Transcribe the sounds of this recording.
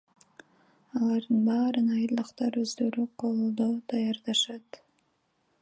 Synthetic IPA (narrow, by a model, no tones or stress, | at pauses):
ɑlˠɑɾd̪ɯnbɑːɾɯnɑjɯlˠɯqt̪ɑɾø̞zd̪ø̞ɾyqʰo̞lˠud̪o̞d̪̥ɑjɑɾd̪ɑʃɑt̪